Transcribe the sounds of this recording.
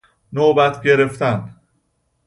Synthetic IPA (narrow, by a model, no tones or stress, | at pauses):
nobæt̪ʰɟe̞ɾe̞ft̪æn